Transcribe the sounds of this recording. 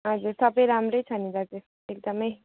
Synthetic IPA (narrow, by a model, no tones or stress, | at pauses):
ɦʌd͡zuɾsʌbʌjɾamrʌjt͡sʰʌnidʌd̪es | ek̚d̪ʌmʌj